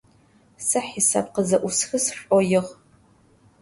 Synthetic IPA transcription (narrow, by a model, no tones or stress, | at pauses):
sɨħisa̰ːp̚qəzɐʔʷʊsxɨsʂʷʼɔjɪʁ